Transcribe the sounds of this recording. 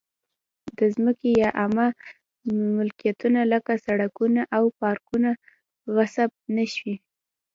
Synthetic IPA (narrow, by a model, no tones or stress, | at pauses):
d̪əzməkejɑʔama | mʊlkijat̪unaləkasaɽakunaʔawpɑɾkuna | ɣasab̚naʃwi